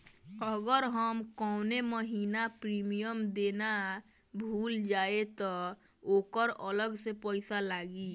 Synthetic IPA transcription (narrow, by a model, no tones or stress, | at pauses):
əɡəɾɦəmkɔʊneməɦinapɾimijəmd̪ena | bʱuld͡ʒaet̪ɔ | okəɾələɡsepəɪsalaɡi